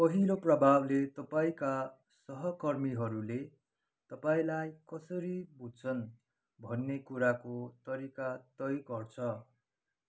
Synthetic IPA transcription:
pʌɦiloprʌbʱablet̪ʌpaĩka | sʌɦʌkʌrmiɦʌɾule | t̪ʌpaĩlajkʌsʌɾibud̪̚t͡sʰʌn | bʱʌnːekuɾakot̪ʌɾikat̪ʌjkʌrt͡sʰʌ

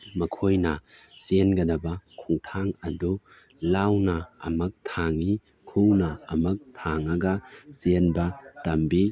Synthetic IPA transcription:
mɐkʰojnɐsenɡɐdɐbɐkʰuŋtʰaŋɐdu | lawnɐɐ̰mɐk̚tʰaŋi | kʰuwnɐɐmɐk̚tʰaŋɐɡɐsenbɐtɐmbi

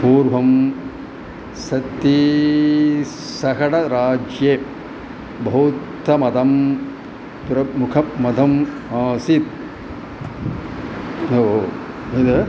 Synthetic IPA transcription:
puːɾʋɐm | sɐt̪ːi | sɐɦɐɽɐɾaːd͡ʒje | bɐut̪ːɐmɐd̪ɐm | pɾɐmukʰɐmɐd̪ʱɐm | aːsit̪̚ | oo | id̪

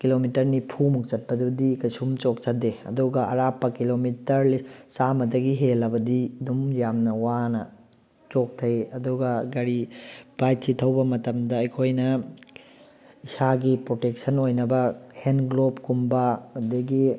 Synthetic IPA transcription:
kilomitɐɾnipʰumuk̚t͡ʃɐt̚pɐdudikɐjsumt͡ʃok̚t͡ʃɐdeɐ̰duɡɐʔɐ̰ɾapːɐkilomitɐɾlisamɐdɐɡiɦelːɐbɐdidumjamnɐwanɐ | t͡ʃok̚tʰɐjɐduɡɐɡɐɾib̥ajt͡ʃitʰɐwbɐmɐtɐmdɐːjkʰojnɐ | isaɡipɾotek̚sɐnojnɐbɐhenɡlobkumbɐɐdeɡi

